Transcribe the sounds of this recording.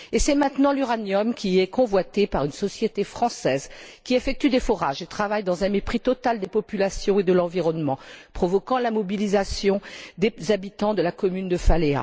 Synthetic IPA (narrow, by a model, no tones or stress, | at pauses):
esɛmɛ̃t̪nɑ̃lyʁanjɔmkʲiɛkɔ̃vwat̪epaʁynsɔsjet̪efχɑ̃sɛːzkʲiefɛk̚t̪yd̪efɔʁa̰ʒet̪χavajd̪ɑ̃zɛ̃mepχit̪ɔt̪ald̪epɔpylasjɔ̃ed̪əlɑ̃viʁɔnmɑ̃pχɔvɔkɑ̃lamɔbilizasjɔ̃d̪ezabit̪ɑ̃d̪əlakɔmynd̪əfalea̰